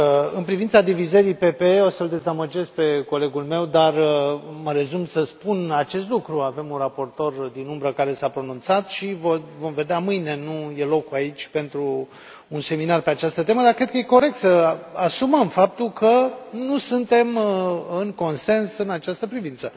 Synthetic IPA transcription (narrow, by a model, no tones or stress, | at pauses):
ɨnpɾivint̪sad̪ivizəɾijpe̞peo̞səld̪e̞zaməd͡ʒe̞z̚pe̞ko̞le̞ɡulme̞wd̪arməɾe̞zumsəspunat͡ʃe̞st̪lukɾuave̞munrapo̞rt̪o̞rd̪inumbɾəkaɾe̞sapɾo̞nũnt̪sat̪ʃivovo̞mve̞d̪eamɨjne̞nuje̞lo̞kuait͡ʃʲpe̞nt̪ɾuː | nse̞minarpe̞at͡ʃast̪ət̪e̞məd̪aɾkɾe̞d̪̚kəje̞ko̞ɾe̞k̚t̪səasuməmfap̚t̪ulkʰənusɨnt̪e̞mɨŋko̞nse̞nsɨnat͡ʃast̪əpɾivint̪sə